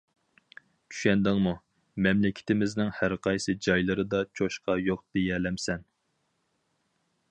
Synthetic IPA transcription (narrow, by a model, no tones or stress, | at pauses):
t͡ʃʰy̥ʃɛnd̪ɪŋmu | mɛmlɪkʲʰɪ̥t̪ʰɪmɪznɪŋhæɾqʰɑjsɨd͡ʒɑjlˠɨɾɨd̪ɑt͡ʃʰoʃqɑjoq̚d̪̥ejɛlɛmsɛn